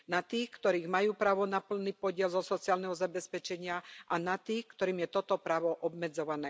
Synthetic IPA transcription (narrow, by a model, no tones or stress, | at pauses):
nat̪iːxkt̪ɔɾiːɣmajuːpɾaːʋɔnapl̩nipɔɟɪɛlzɔsɔt͡sɪaːlnɛɦɔzabɛspɛt͡ʃɛɲɪaʔanat̪iːxkt̪ɔɾiːmjɛt̪ɔt̪ɔpɾaːʋɔʔɔbmɛd͡zɔʋanɛː